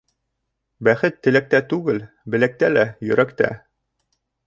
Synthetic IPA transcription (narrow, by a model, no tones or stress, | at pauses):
bæχɘt̪ːɘ̆læk̚t̪æt̪ʉɡɘl | bɘ̆læk̚t̪ælæjɵ̆ɾækt̪æ̰